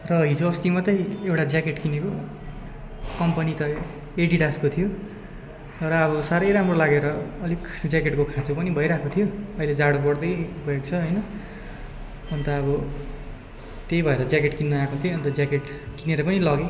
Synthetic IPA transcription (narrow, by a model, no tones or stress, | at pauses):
rʌɦid͡zoʌst̪imʌt̪ʌjewʈad͡zjakeʈkineko | kʌmpʌnit̪ʌ | eɖiɖaskot̪ʰijo | rʌʌβʌsaɾʌjɾamrolaɡeɾʌːlikd͡zakeʈkokʰãt͡sopʌnibʱʌjɾakʰot̪ʰijoʌiled͡zaɽopʌɽd̪ʌjbʱʌjokt͡sʰʌɦʌjnʌ | ʌnt̪ʌʌbʌ | t̪ejbʱʌeɾʌd͡zjakeʈkinːuakot̪ʰioʌnt̪ʌd͡zjakeʈ | kineɾʌpʌnilʌɡe